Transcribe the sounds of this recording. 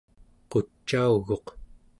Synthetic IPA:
qot͡ʃːauɣo̞q

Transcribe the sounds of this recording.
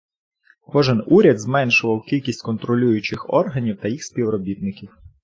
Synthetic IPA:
kɔʒɪnuɾʲɐd̪zmɛnʃʊʋɐwkʲilʲkʲisʲtʲkɔnt̪ɾɔlʲujʊt͡ʃɪxɔ̰rɦɐnʲiwt̪ɐjixsʲpʲiwɾɔbʲit̪̚nɪkʲiw

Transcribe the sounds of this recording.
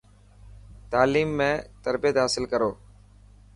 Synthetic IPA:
t̪aːliːmːẽːt̪əɾbijət̪ɦaːsɪlkəɾoː

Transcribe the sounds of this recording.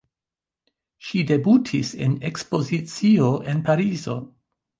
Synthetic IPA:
ʃide̞butʰise̞̰ne̞kspo̞zit͡sio̞ʔe̞npaɾizo̞̰

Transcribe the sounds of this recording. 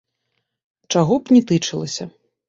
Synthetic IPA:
t͡ʂaɣɔpnʲɛt̪ɨt͡ʂɨlˠɐsʲɐ

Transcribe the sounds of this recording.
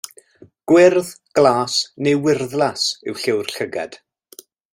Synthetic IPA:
ɡ̥wɪrð | ɡ̥lˠaːsnewɪrðlˠasɪwɬɪwr̥ɬəɡɛ̰d̥

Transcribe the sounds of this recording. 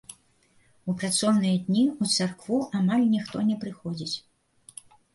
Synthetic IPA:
upɾat̪sɔwnɨjɐd̪ʲnʲiut̪sarkvuʔamalʲnʲixt̪ɔnʲɛpɾɨxɔd͡zʲit͡sʲ

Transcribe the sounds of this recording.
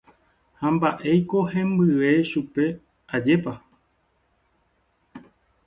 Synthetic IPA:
hãmbaʔe̞jko̞hẽmbɨʋe̞ʃupe̞ | ad͡ʒe̞pa

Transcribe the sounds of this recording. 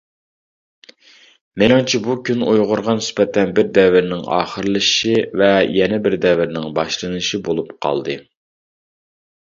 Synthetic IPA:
menɪŋt͡ʃʰibukʲʰynojʁʊɾʁɑnɪsbɛt̪ʰɛnbɪɾd̪ɛvɪɾnɪŋɑ̰ːχəɾɨlˠɨʃivɛjɛnɛbɪɾd̪ɛvɪɾnɪŋbɑʃlˠɨnɨʃibolˠupqʰɑ̰lˠd̪ɨ

